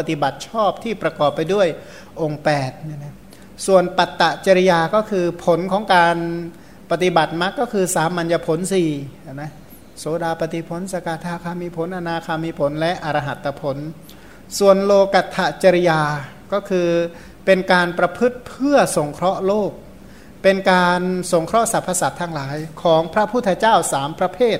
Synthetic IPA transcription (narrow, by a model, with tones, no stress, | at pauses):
pa˧t̪i˨˩ba˨˩t̪̚t͡ɕʰɔː˥˩p̚t̪ʰiː˥˩pɾa˧kɔː˨˩pːa˧jdu˥˩əj | ʔo˧ŋpɛː˨˩t̪̚ni˧˩na˦˥ | su˨˩ənpa˨˩t̪ːa˨˩ʔt͡ɕa˧ɾi˧jaː˧kɔː˥˩kʰɯː˧pʰo˩˦nkʰɔː˩˦ŋkaː˧n | pa˧˩t̪i˨˩ba˨˩t̪̚ma˦˥kːɔː˥˩kʰɯː˧saː˩˦mːa˧nja˧pʰo˩˦nsiː˨˩a˧˩na˦˥ | soː˩˦daː˧pa˨˧t̪i˨˩pʰo˩˦nsa˧kaː˧˩t̪ʰaː˧kʰaː˧miː˧pʰo˩˦nʔa˧naː˧kʰaː˧miː˧pʰo˩˦nlɛ˦˥ʔa˧ɾa˧ɦa˨˩t̪ːa˧pʰo˩˦n | su˨˩ənloː˧ka˨˩t̪ʰːa˧t͡ɕa˧ɾi˧jaː˧ | kɔː˥˩kʰɯː˧ | pe˧nkaː˧npɾa˧pʰɯ˦˥t̪̚pʰɯ˥˩ɐso˩˦ŋkʰɾɔ˦˥ʔloː˥˩k̚ | pe˧nkaː˧nso˩˦ŋkʰɾɔ˦˥sa˨˦pʰːa˧sa˨˦p̚t̪ʰa˧˥˩ŋlaː˩˦jkʰɔː˩˦ŋpʰɾa˦˥pʰuː˥˩t̪ʰːt͡ɕaː˥˩wsaː˩˦mpɾa˧pʰeː˥˩t̪̚